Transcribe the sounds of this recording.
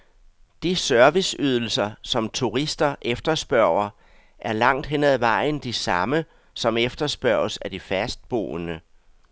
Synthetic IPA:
d̥isɶɐʋisyð̞ˠl̩sɐsɒ̽mt͡sʰuʁisd̥ɐʔefd̥ɐsb̥ɶɐ̰ɐ | ʔæɐlɑ̈ŋ̰d̥ɦenæʋɑ̈ɪ̰n̩d̥isɑ̈mə | sɒ̽mefd̥ɐsb̥ɶɐ̰sæd̥ifæsd̥̚b̥o̰ːnə

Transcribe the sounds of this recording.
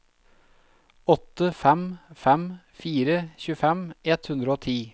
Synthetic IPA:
ɔt̪əfɛmfæm | fiːɾəçʉːfɛmɛt̪hʉnd̪ɾəoːt̪ʰiː

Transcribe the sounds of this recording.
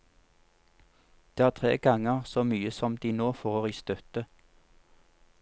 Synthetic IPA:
d̪̥eːæːʁt̪ʰʁḛːɡɑŋəʁsoːmyːəsɔmd̪iːnoːfoːʁiːst̪œt̪ə

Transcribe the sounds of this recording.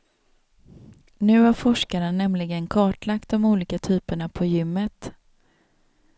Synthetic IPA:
nʉ̟ːhaɾfɔʂkaɾənɛmlɪɡənkʰɑːʈɭak̚t̪ɔmuːliːkat̪ʰyːpəɳapʰɔjʏmːət̪

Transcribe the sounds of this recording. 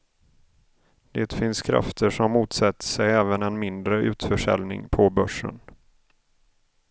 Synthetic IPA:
d̪̥eːt̪fɪnskʰɾa̰ft̪ʰəʂɔmːuːt̪sɛt̪ːsɛjɛːvənɛnmɪnd̪ɾəʔʉ̟ːt̪fœʂɛ̰lnɪ̰ŋpʰɔbœʂːə̰n

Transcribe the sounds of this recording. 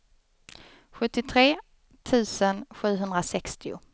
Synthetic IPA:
ɧɵt̪ːɪt̪ʰɾeː | t̪ʰʉ̟ːsənɧʉ̟ːɦɵnd̪ɾasɛkst̪ɪʊ̰

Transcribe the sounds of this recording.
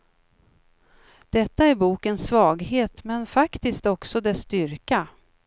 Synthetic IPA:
d̪̥ɛt̪ːaæɾbuːkənsvɑːɡɦeːt̪mɛnfakt̪ɪskt̪ɔksɔd̪ɛst̪ʏɾka

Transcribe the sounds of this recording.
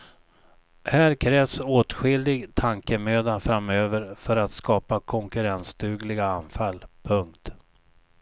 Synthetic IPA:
hæːɾkʰɾɛːfsoːt̪ɧɪld̪ɪɡt̪ʰaŋkəmøːd̪afɾamøːvəɾfœɾat̪skɑːpakʰɔŋkɵɾɛnsd̪ʉ̟ːɡlɪɡaanfalːpʰɵŋk̚t̪

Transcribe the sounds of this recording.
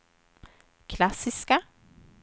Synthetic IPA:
kʰlasɪska

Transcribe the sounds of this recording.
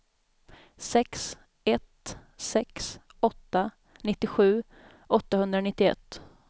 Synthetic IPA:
sɛks | ɛt̪ | sɛks | ɔt̪ːa | nɪt̪ːɪɧʉ̟ː | ʔɔt̪ːaɦɵnd̪ɾaɔnɪt̪ːɪɛ̰t̪ː

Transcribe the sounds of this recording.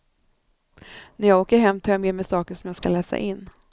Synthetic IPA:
næɾjɑːɡoːkəɾɦɛmːt̪ʰɑːjameːɾmɛsɑːkəʂɔmjɑːɡskalɛːsa̰ʔɪnː

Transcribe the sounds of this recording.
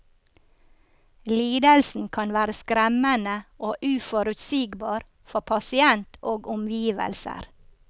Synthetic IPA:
liːd̪əlsn̩kʰɑnʋæːɾəskɾɛmənəʔoːʔʉːfɔɾʉt̪siːɡbɑːɾ | fɔpʰɑsɪɛnt̪ʰʔoːɡʊmjiːʋə̰lsə̰ɾ

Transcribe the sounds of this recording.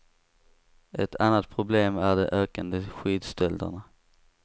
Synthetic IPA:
ʔɛt̪ʰanːat̪̚pʰɾʊbleːmæɖɛʔøːkand̪əɧiːd̪st̪ɛld̪ə̰ɳa

